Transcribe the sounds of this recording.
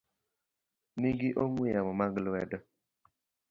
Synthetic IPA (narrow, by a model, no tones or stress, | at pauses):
niɡiʔoŋwijamɔmaɡlɛdɔ